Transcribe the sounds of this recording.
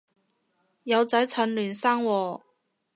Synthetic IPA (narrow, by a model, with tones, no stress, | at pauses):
jɐ˨˧wt͡sɐ˨˥jt͡sʰɐ˨˥nlyː˨˩nsaː˥ŋwɔː˨˧